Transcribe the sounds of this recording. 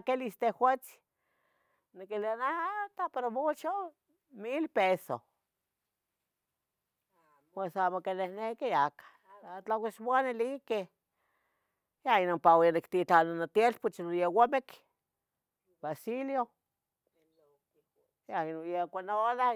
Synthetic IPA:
kelist̪ehhwʷet͡si̥ | nikelianaat̪apeɾomut͡ʃo | milpeso̰ | mesamokenehnekejakḁ | at͡ɬawismoanelike | jainompawanikt̪it͡ɬananat̪jelput͡ʃnojewamek | basiljo | jainojekʷanola

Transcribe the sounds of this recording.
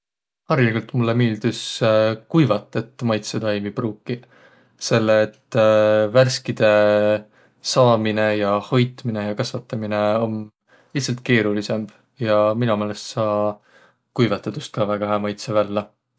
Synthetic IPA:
hɑɾlkult̪ˑmulːemiːld̪̥uskujvɑt̪ːˑet̪ːˑmɑjt̪set̪ɑjmipruːkːi | se̞lːeːt̪ːværskid̪̥e̞ | sɑːmine̞jɑho̞jt̪mine̞jɑkɑsvɑt̪ːˑɑmineo̞n | litsːɑlt̪̚ˑke̞ːɾulise̞m | jɑminumeːle̞st̪sɑː | kujvɑt̪ːˑet̪ust̪̚kɑvæɡ̥ɑɦemɑjt̪sevælːɑ

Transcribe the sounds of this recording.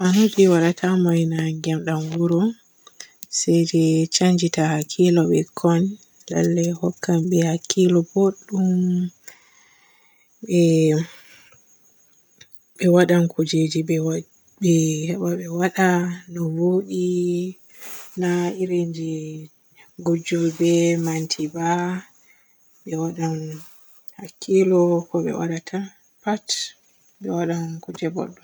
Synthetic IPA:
ʔanutiwaɗatʰamajnaŋɡɛmɗamɡuɾɔ | sɛjd͡ʒɛt͡ʃaɲd͡ʒitahakʰːilɔɓɛkʰɔn | la̰lːɛhɔkːamɓɛhakʰːilɔboɗːum | ɓɛ | ɓɛwaɗankʰud͡ʒed͡ʒiɛ | bɛhɛɓaɓɛwaɗanɔwoɗi | naiɾeɲd͡ʒi | ɡɔd͡ʒɔlbɛmantʰiba | ɓɛwaɗan | hakʰːilɔkɔɓɛ̰wa̰ɗatʰan | pat | bɛwaɗankud͡ʒɛbɔ̰ɗːɔ

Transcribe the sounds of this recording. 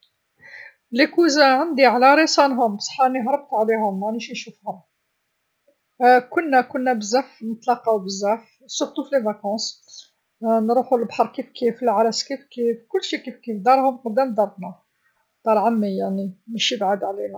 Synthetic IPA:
likuzaʕənd̪iʕlæɾisˤɑnɦʊmbsˤɑ̥ħɑniɦɾˤəb̚t̪ʕlihʊmːæniʃinʃufhʊm | kʊnːækʊnːæbəzːæfnət̪lɑqɑwbəzːæf | sʊxt̪uflevɑkɑ̃s | nɾuħulbħɑɾˤkifkifəlʕalæskifkifkʊlːʃikifkifd̪ɑɾˤhʊmqɑd̪ːæmd̪ɑɾˤbnæ | t̪ɑɾʕamːijaʕniməʃibʕud̪ʕlinæ

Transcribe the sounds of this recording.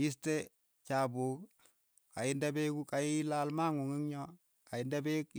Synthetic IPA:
jiste | t͡ʃabuk | kajɪndabekukajilalmaŋuŋiŋɲɔ | kajɪndabek

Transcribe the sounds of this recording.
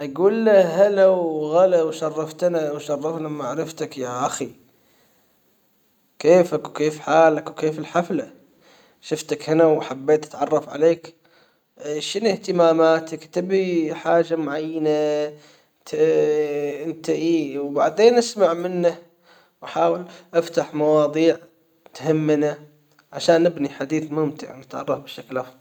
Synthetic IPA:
ʔaɡuːlːahalawɣalawʃɑrˤːɑft̪nawʃɑrˤːɑfnamaʕɾɑft̪akjaʔaxi | keːfakwkeːfħaːlakwkeːfɪlħafla | ʃʊft̪akhɪnawħabːeːt̪ʔḁt̪ʕɑrˤːɑfʕa̰leːk | ʃɪnɪht̪ɪmaːmaːt̪akt̪ɪbiħaːʒamʊʕajːana | t̪ | ʔɪnt̪aʔiːwbaʕd̪eːnʔasmaʕmɪnːa | wʔaħaːwɪlʔaft̪aħmɑwɑːðˤiːʕ | t̪hamːɪna | ʕaʃaːnːɪbniħad̪iːθmʊmt̪ɪ̰ʕnɪt̪ʕɑ̰rˤːɑfbɪʃaklʔɑfðˤɑl

